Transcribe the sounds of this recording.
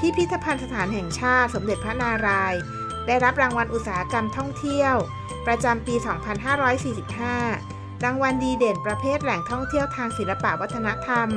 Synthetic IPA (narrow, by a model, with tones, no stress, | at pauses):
pʰiː˥˩pʰi˦˥t̪ʰːa˧pʰa˧nsa˧t̪ʰaː˩˦nɦɛ˨˩ŋt͡ɕʰaː˥˩t̪̚so˩˦mde˨˩t̪̚pʰɾa˦˥naː˧ɾaː˧j | daː˥˩jɾa˦˥p̚ɾaː˧ŋwa˧nʔu˨˩saː˩˦ha˦˥ka˧mt̪ʰɔ˥˩ŋt̪ʰi˥˩əw | pɾa˧t͡ɕa˧mpiː˧sɔː˩˦ŋpʰa˧nɦaː˥˩ɾɔː˦˥jsiː˨˩si˨˩p̚ɦaː˥˩ | ɾaː˧ŋwa˧ndiː˧deː˨˩npɾa˧pʰeː˥˩t̪̚lɛ˨˩ŋt̪ʰɔ˥˩ŋt̪ʰi˥˩əwt̪ʰaː˧ŋsi˨˩˦nla˧pa̰˨˩ʔwa˦˥t̪ʰːa˧na˦˥ʔt̪ʰa˧m